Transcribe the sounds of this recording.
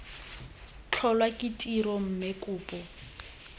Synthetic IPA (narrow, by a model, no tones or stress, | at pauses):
t͡ɬʰɔlwakʼɪtʼirɔm̩mekʼʊːpʼɔ